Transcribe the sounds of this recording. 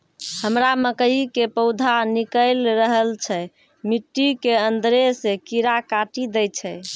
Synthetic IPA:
həmɾaməkəjikepəʊd̪ʱanikəɪlɾəɦəlt͡ʃʰɛ | miʈːikeənd̪ɾesekiɾakaʈid̪ɛt͡ʃʰɛ

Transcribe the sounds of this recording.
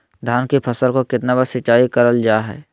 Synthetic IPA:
d̪ʱaːnkipʰɐsəlkokɪt̪nabəsɪt͡ʃaːikɐɾəld͡ʒaːɦɛ̰ː

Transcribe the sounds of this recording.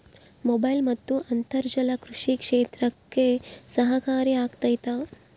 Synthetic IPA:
mobɐjlmɐt̪ːuʔɐnt̪ɐɾd͡ʒɐlɐkɾuʂikʂeːt̪ɾɐkːesɐɦɐkaːɾiaːɡt̪ɐjt̪aː

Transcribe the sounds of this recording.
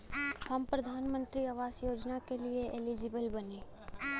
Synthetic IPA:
hɐmpɾɐd̪ʱaːnmə̃nt̪ɾiaʋaːsjoːd͡ʒnakelieʔelid͡ʒɪbəlbɐneː

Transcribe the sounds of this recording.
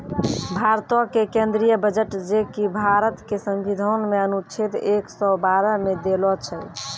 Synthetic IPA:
bʱaɾt̪ɔkekend̪ɾijəbəd͡ʒəʈd͡ʒekibʱaɾət̪kesəmbid̪ʱənmeənut͡ʃʰit̪eksɔbaɾəmed̪elɔt͡ʃʰɛ

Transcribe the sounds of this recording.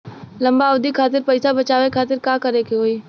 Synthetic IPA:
lɐ̃mbaʊd̪ikʰaːt̪ɪɾpɐɪsabɐt͡ʃaːʋekʰaːt̪ɪɾkakɐɾeːkeɦoːi

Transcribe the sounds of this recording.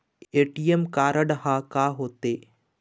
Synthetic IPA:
eːʈijemkaːɾəɽɦaːkaːɦoːt̪eː

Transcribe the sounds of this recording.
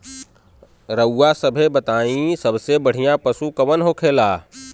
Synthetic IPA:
ɾəwːasɐbʱebɐt̪aːĩsɐbsebɐɽ̤ijãpɐsukɐʋənɦokʰeːlaː

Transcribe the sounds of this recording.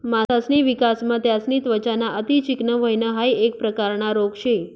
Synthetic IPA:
maasniʋikasmãt̪jasnit̪ʋət͡ʃanaʔət̪it͡ʃɪknəʋəɦjnəɦajek̚pɾəkaɾnaɾoɡʃʰe

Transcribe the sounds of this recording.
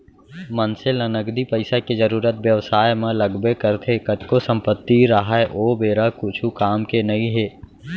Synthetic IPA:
mənselənəɡd̪ipəɪsaked͡ʒəɾuːɾət̪ʋjəʋsaːjmẽləɡbekəɾt̪ʰekət̪kosə̃mpət̪ːiɾaɦaeʔoːbeːɾakʊt͡ʃʰukaːmkenɐɦĩɦeː

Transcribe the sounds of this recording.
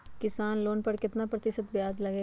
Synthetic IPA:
kɪsaːnloːnpɐɾkɪt̪napɾɐt̪ɪʃət̪̚bɪjaːzlɐɡeː

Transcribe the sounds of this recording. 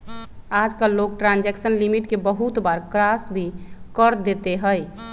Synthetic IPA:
ad͡ʒkalok̚ʈɾãnd͡ʒɛksənlimiʈkebəɦut̪baɾkɾasbʱikəɾd̪et̪eɦəj

